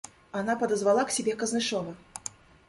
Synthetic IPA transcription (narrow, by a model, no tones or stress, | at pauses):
anapɐd̪ɐzvalˠaksʲɛbʲɛkɐznɨʂɔvɐ